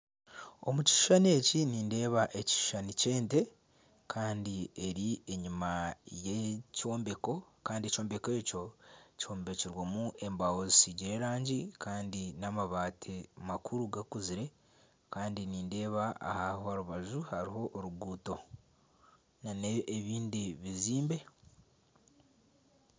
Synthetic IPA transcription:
o̞̰muci̥ʃu̥ʃane̞ciniːnde̞ːβaʔeci̥ʃu̥ʃanice̞ːnte̞ | kʰaːndie̞ɾie̞ɲimajeco̞ːmbe̞ko̞ | kaːndieco̞ːmbe̞ke̞ːco̞ci̥hoːmbe̞ciɾwamuʔe̞mbawozisiɟiɾe̞ːɾaːɲɟikʰaːndinamaβaːtʰemakʰuɾuɡakuziɾe̞ | kaːndiniːnde̞ːβaa̰hahohaɾuβaʒuhaɾiɦo̞ʔːɾuɡuːto̞ | naneeβiːndiβiziːmbe̞

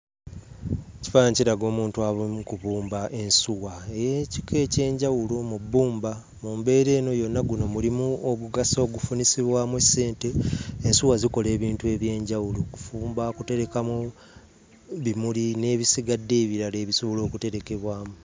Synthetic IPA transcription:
eci̥faɲciɾaɡo̞ːmuːntuaβumukuβuːmbaʔe̞nsuɣaejeci̥kʰe̞ːce̞ːɲɟawulomubːuːmba | muːmbe̞ːɾe̞ːno̞jo̞nːaɡuno̞mulimuoɡuɡaso̞ːɡufunisiβwamwesːe̞ːnte̞ːnsuwaziko̞le̞ːβiːntue̞βje̞ːɲɟawuloku̥fuːmbakute̞ɾe̞kamu | βimuline̞ːβisiɡadːe̞ːβiɾaleːβisoβolo̞ːkute̞ɾe̞ke̞βwaːmu

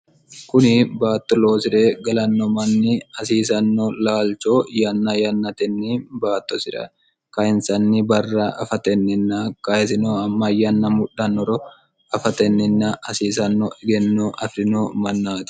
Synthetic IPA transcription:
kʊnɪbaːt̪ːɔlo̞ːsɪɾeːɡɐlɐnːɔmɐnːɪɐsiːsɐnːɔlaːlt͡ʃoːjɐnːɐjɐnːɐt̪ɛnːiːbaːt̪ːɔsɪɾɐ̰ | kɐɪnsɐnːɪbɐrːɐɐfɐt̪ɛnːɪnːɐkɐɛsɪnoːɐmːɐjɐnːɐmʊᶑːɐnːɔɾɔ | ɐfɐt̪ɛnːɪnːɐɐsiːsɐnːɔɛɡɛnːoʔɐfɾɪnoːmɐnːaːt̪ɪ̥

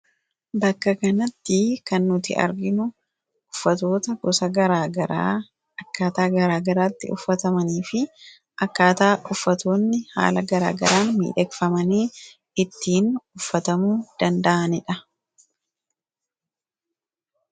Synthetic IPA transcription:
bɐkːɐkɐnɐt̪ːɪkɐnːʊt̪ɪ̰ʔɐ̰ɾɡɪnʊ | ʊfːɐt̪o̞ːt̪ɐɡɔsɐɡɐɾaːɡɐɾa | ɐkːaːt̪aːɡɐɾaːɡɐɾaːt̪ːɪʊ̰fːɐt̪ɐmɐniːfɪ | ʔɐkːaːt̪aːʔʊfːɐt̪oːnːɪha̰ːlɐɡɐɾa̰ːɡɐɾaːnmḭːᶑɛkfɐmɐniː | ɪt̪ːiːnʊfːɐt̪ɐmuːd̪̥ɐnd̪ɐʔɐnɪᶑɐ

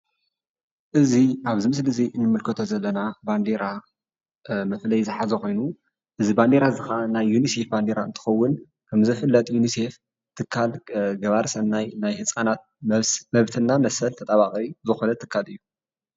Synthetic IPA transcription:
ʔɨziʔaβzɨmɨslɨziɨnːɨmɨlkʰɨt̪ʰo̞zɐlːɐnaband̪eɾa | mɐflɐjzɨħazɐxo̞jnu | ʔɨziband̪eɾazɨxanajːunise̞fband̪eɾaɨnt̪ʰɨ̥xɐwːʊn | kʰɐmzɨfɨlːɐt̪ʼjunise̞f | t̪ʰɨkʰːalɡɐβaɾsɐnːajnajhɨsʼanat̪̚mɐβt̪ʰɨnːamɐsɐlt̪ʰɐt̪ʼaβakʼizɨxonɐt̪ʰːɨkʰːalɨjːu

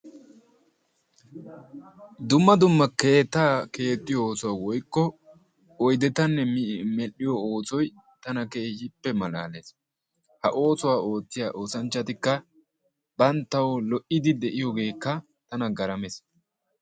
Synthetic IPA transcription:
d̪ʊmːɐd̪ʊmːɐkːeːt̪ːaːke̞ːt̪ʼːɪjɔoːsɔwaːwɔjkːɔ | ɔjd̪ɛt̪ɐnːɛmmɛlːɪjɔoːsɔj | t̪ɐnɐkeːjɪpːɛmɐla̰ːleːs | hɐʔo̞ːsɔwaːo̞ːt͡sːɪjaːʔo̞ːsɐnt͡ʃːɐt̪ɪkːɐ | b̥ɐnt̪ːɐwlɔʔɪd̪ɪd̪ɛʔɪjɔɡe̞ːkːɐ | t̪ɐnɐɡɐɾɐmes

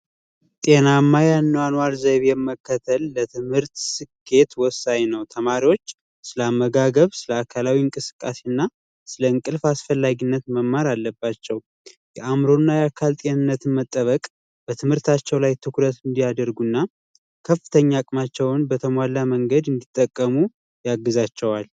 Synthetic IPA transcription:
t̪ʼe̞namːajanːəwanwaɾzəβjɛmːəkːət̪ʰəlːət̪ʰɨmhɨɾt̪sɨkʰːe̞t̪wɔsajnəwt̪ʰəmaɾiwo̞t͡ʃː | sɨləamːəɡaɡəβsɨləakʰalawiɨŋkʼɨsɨ̥kʼːasiɨnːa | sɨləɨŋkʼɨlfasfəlːaɡinːət̪məmːaɾalːəbːat͡ʃːɛw | jɛʔamɾo̞nːajakʰalt̪ʼenɨnːət̪ɨnmət̪ʼːəβəkʼ | b̥ət̪ʰɨmhɨɾt̪ʰat͡ʃːɛwlajt̪ʰɨkɾət̪ɨnd̪ijad̪əɾɡunːa | kʰəfːɨt̪ʰəɲːakʼmat͡ʃːɛwnbət̪ʰəmwalːaməŋɡəd̪ɨnd̪it̪ʼːəkʼːəmu | jaɡːɨzat͡ʃːɛwal

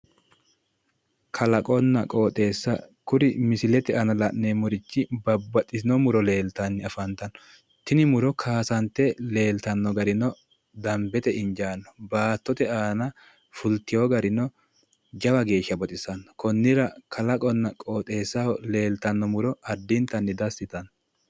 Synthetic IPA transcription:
kʰɐlɐkʼɔnːɐkʼoːt̪ʼe̞ːsːɐkʊɾɪmɪsɪlɛt̪ɛʔɐnɐlɐʔnemɔɾɪt͡ʃːɪbɐbːɐt̪ʼːɪsɪnɔmʊɾɔle̞ːlt̪ɐnːɪɐfɐnt̪ɐnːɔ̥ | t̪ɪnɪmʊɾɔkʰaːsɐnt̪ːɛle̞ːlt̪ɐnːɔɡɐɾɪnɔ | d̪ɐmbɛt̪ɛɪɲd͡ʒaːnːɔbaːt̪ːɔt̪ɛaːnɐ | fʊlt̪ɪjoɡɐɾɪnɔ | d͡ʒɐwɐɡe̞ːʃːɐbɔt̪ʼɪsɐnɔkɔnːɪɾɐkʰɐlɐkʼɔnːɐkʼoːt̪ʼe̞ːsːɐɔle̞ːlt̪ɐnːɔmʊɾɔɐd̪ːɪnt̪ɐnːɪd̪ɐsːɪt̪ɐnɔ

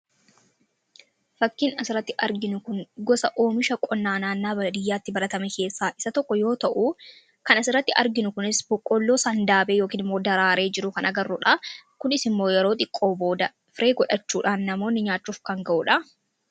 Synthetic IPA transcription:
fɐkːɪnɐsɪɾːɐt̪ːɪʔɐɾɡɪnʊkʊnɡɔsɐʔoːmɪʃɐkʼɔnːaːnaːnːaːbɐlɐd̪ɪjːaːt̪ːɪbɐɾɐt̪ɐmɛke̞ːsːaːʔɪ̥sɐt̪ɔkːɔjo̞ːt̪ɐʔuː | kɐnɐsɪɾːɐt̪ːɪʔɐɾɡɪnʊkʊnɪsbɔkʼːɔlːo̞ːsɐːnd̪aːbeːjo̞ːkiːnɪmːo̞ːd̪ɐɾaːɾe̞ːd͡ʒɪɾʊkɐnʔɐɡɐrːʊᶑakʊnɪsɪmːo̞ːjɛɾo̞ːt̪ʼɪkʼːo̞ːbo̞ːd̪ɐ | fɪɾe̞ːɡɔᶑɐt͡ʃːuːᶑaːnːɐmo̞ːnːɪɲaːt͡ʃːuːfkɐŋɡɐʔuᶑɐ

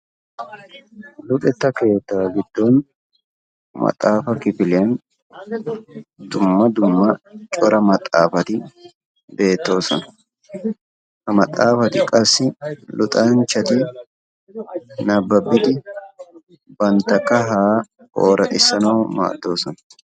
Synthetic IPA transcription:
lʊkʼɛt̪ːɐke̞ːt̪ːɐwɐɡɪd̪ːo̞ːn | mɐ̰t̪ʼːaːfɐkɪfɪlɪjɐn | d̪ʊmːɐd̪ʊmːɐt͡ʃʼɔɾɐmɐt̪ʼːaːfɐt̪ɪ | be̞ːt̪ːo̞ːsɔnɐ̥ | hɐmɐt̪ʼːaːfɐt̪ɪkʼɐsːɪlʊt̪ʼaːnt͡ʃːɐt̪ɪ | nɐbːɐbːɪt̪ɪ | bɐnt̪ɐkːɐɦaː | ʔo̰ːɾɐt̪ʼɪsɐnɐwma̰ːd̪ːo̞ːsɔnɐ̥

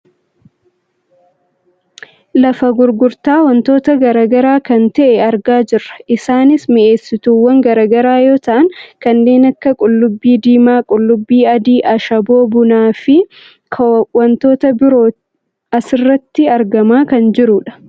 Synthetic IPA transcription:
lɐfɐɡʊɾɡʊɾt̪aːwɐnt̪o̞ːt̪ɐɡɐɾɐɡɐɾaːkɐnt̪ɛʔɛɐɾɡaːd͡ʒɪrːɐ̥ʔɪsaːnɪsmɪʔe̞ːsːɪt̪uːwːɐŋɡɐɾɐːɡɐɾaːjo̞ːt̪ɐʔɐŋkɐnːe̞ːnɐkːɐkʼʊlːʊbːiːd̪iːmaːkʼʊlːʊbːiːɐd̪iːʔɐʃɐbo̞ːbʊnaːfɪ | kʰwɐnt̪o̞ːt̪ɐbɪɾoː | ɐsɪrːɐt̪ːɪɐɾɡɐmaːkɐnd͡ʒɪɾʊᶑɐ̥

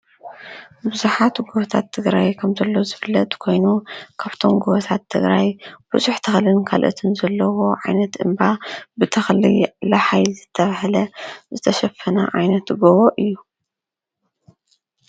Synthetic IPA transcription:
bɨzuħat̪ɡoβɐt̪ʰat̪ʰːɨɡɾajkʰɐmzɐlːozɨβɨlːɐt̪kʰo̞jnukʰaβt̪ʰo̞mɡoβɐt̪ʰat̪ʰːɨɡɾajbɨzuħt̪ʰɐxlɨnkʰa̰lʔɨ̰t̪ʰɨnzɐlːɐwo̞ʕa̰jnɐt̪ʔɨmbabɨt̪ʰɐxlɨ̰laħajzɨt̪ʰːɐβahlɐzɨt̪ʰɐʃɐfːɐna̰ʕa̰jnɐt̪ɡoβoʔɨjːu

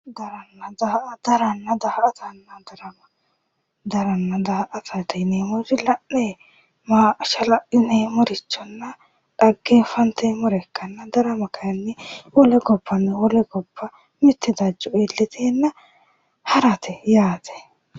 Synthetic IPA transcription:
d̪ɐɾɐnːɐd̪ɐd̪ɐɾɐnːɐd̪ɐhʔɐt̪ʰɐnːɐd̪ɐɾɐmɐ | d̪ɐɾɐnːɐd̪ɐhʔɐt̪ʰɐt̪ɛneːmɔɾɪlɐʔːeː | maːʃɐlɐʔɪneːmɔɾɪt͡ʃːɔnːɐ | ᶑɐɡːeːfɐnt̪emɔɾɛkːɐnːɐd̪ɐɾɐmɐkɐjɐnːɛwɔlɛkɔpʰːɐnːɛwɔlɛkɔpʰːɐ | mɪt̪ʰːɛd̪ɐd͡ʒːɔeːlːɪt̪ʰeːnːɐ | hɐɾɐt̪ʰɛjaːt̪ɛ̥

